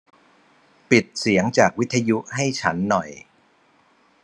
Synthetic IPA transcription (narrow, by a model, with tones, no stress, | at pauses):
pi˨˩t̪̚si˩˦əŋt͡ɕaː˨˩k̚wi˦˥t̪ʰːa˧ju˦˥ʔɦa˥˩jt͡ɕʰa˦˥nːɔ˨˩j